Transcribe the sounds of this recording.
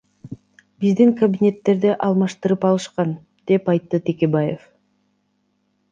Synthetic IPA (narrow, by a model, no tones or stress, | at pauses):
b̥izd̪iŋkɐbʲinʲe̞t̪ːe̞ɾd̪iʔɑlˠmɑʃt̪ɯɾɯpɑlˠɯʃqɑn | d̪̥e̞pɑjt̪ːɯt̪ʰekʲe̞bajef